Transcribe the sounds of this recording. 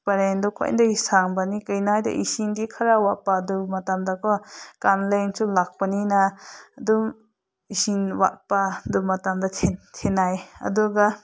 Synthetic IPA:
pɐɾendɔkʰɔ̰j̰ndaɡisaŋbanikɯjnajda̰ʔisinɡikʰɐɾawapːadumɐtamdakɔkanleŋsulak̚paninadum | isinwa̰ʔpadumatamdɐtʰentʰenajɐ̰duɡa

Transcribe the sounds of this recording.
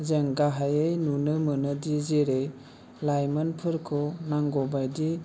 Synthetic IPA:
zeŋɡaɦajejnunɯmɯnɯdizeɾej | lajmanpʰɯɾkʰɔnaŋɡɔbajdi

